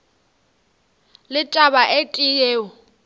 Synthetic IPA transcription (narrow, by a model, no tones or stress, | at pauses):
lɪtʼabaʔetʼɪjeːʊ